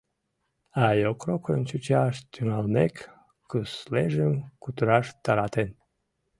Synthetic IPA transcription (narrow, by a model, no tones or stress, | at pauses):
ajokrokənt͡ɕut͡ɕaʃt̪ʲunalmek | kɨsleʒəmkut̪uɾɑʃt̪aɾɑt̪en